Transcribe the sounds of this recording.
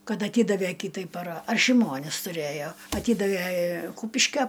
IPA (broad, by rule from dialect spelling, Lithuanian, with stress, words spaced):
ˈkɐt ɐˈtʲiːdɐʋʲɛ ˈkʲiːtɐɪ pɐrɐ ɐr ʃʲɪˈmoːnʲɪs tʊˈrʲeːjoː ɐˈtʲiːdɐʋʲɛ ˈkuːpʲɪʃʲkʲɛ